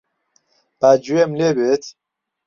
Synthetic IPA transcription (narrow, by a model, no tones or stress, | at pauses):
b̥ad͡ʒuemlebet̪ʰ